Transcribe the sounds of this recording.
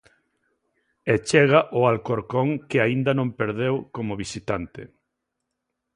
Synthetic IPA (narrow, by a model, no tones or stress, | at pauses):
et͡ʃeɣ̞aʔʊalkoɾkoŋkɪaind̪ɐnõmpeɾðewkomʊβisit̪ant̪ɪ̰